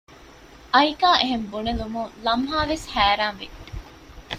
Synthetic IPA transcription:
ʔɐikaːʔeɦembunelumuŋlɐmɦaːʋeshæːɾaːnʋi

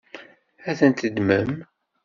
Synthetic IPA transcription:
æθənt̪əd̪məm

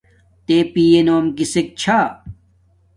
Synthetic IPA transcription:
t̪epijenoːmkisek̚t͡ɕʰa

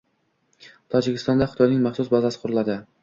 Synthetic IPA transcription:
t̪ʰɒd͡ʒɪkʲʰɪst̪ɒnd̪aχɪt̪ʰɒjnɪŋmaχsʊsbɒzasɪ̥qʰʊɾʊlˠad̪ɪ

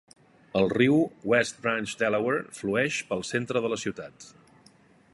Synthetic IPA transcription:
əlˠriwwɛst̪̚bɾanʲt͡ʃd̪ɛlɛwəɾfluɛʃpəlˠsent̪ɾəðələsiwt̪at̪

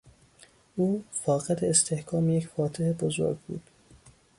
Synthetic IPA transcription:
ʔuːfɒːɣed̪eːst̪ʰe̞hkʰɒːmejecfɒːt̪ʰehebozo̞̰ɾɡ̚bṵːd̪̥

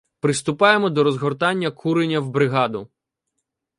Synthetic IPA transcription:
pɾɪst̪ʊpɑjemɔd̪ɔɾɔzɦɔrt̪ɑnʲːɐkʰuɾenʲɐwbɾɪɦɑd̪ʊ

